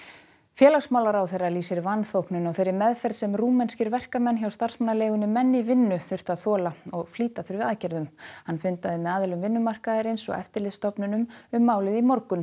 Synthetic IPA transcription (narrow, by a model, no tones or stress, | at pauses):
fjɛːlaɣsmawlaɾawθejrːaliːsɪɾvanːθowknʏnɔɣθejɾɪɾmɛðfɛɾ̥sɛmruːmɛnscɪɾvɛr̥kamɛnçawst̪ar̥smanːaleːɣʏnɪmɛnːɪvɪnːʏθʏ̥t̪aðθɔːlaɔɣfliːt̪aθʏɾvɪðaːðcɛɾðʏmhanːfʏnt̪aðɪmɛðaːðʏlʏmvɪnːʏmar̥kaðɪɾɪnsɔ̰ɣɛ̰ft̪ɪɾlɪðst̪ɔpnʏnʏmʏmːaːwlɪðimɔɾkʏn